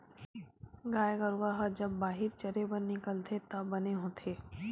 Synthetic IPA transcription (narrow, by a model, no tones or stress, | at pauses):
ɡaːeɡəɾuwaɦɐd͡ʒɐbːaːɦɪɾt͡ʃɐɾebənːɪkəlt̪ʰet̪ɐbɐneɦõːt̪ʰeː